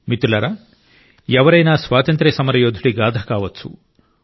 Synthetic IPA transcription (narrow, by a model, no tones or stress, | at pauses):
mit̪ulɐɾa | ɛʋɐɾɐjnaːsʋaːt̪ɐnt̪ɾɐsɐmɐɾɐjoːd̪ʱuɽiɡaːd̪ʱɐkaːʋɐt͡ʃːṵ